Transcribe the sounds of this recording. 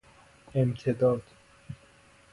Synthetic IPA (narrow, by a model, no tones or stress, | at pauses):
emt̪ʰed̪ɒːd̪̥